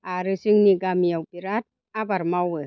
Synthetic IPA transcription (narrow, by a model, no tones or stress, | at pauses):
ʔaɾɯsɯŋniɡamiawpiɾat̪̚ | abaɾmawɯ